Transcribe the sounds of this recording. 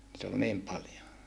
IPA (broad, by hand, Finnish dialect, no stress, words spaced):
nit ol niːm pɑljo